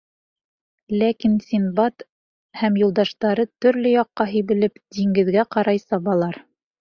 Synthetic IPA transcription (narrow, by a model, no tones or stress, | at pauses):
lækinsʲinbɑt̪ | hæmjŭlˠd̪ɑʃt̪ɑɾɤt̪ɵ̆ɾlɘjɑqːɑɦiβɘ̆lɘpd̪iŋɡɘ̆ðɡæqɑɾɑjsɑβɑlˠɑɾ